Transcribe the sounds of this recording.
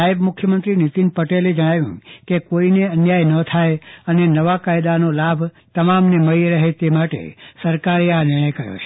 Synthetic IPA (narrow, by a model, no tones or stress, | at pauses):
aebmʊkʰjəmənt̪ɾinit̪inpəʈeled͡ʒəɽ̃aʋjṵ̃kekoineənjajnət̪ʰajənenəʋakajd̪anolabʱt̪əmamneməiɾəɦet̪emaʈḛsəɾkaɾeanɪɽ̃ə̃jkəɾjo̰t͡ʃʰe̥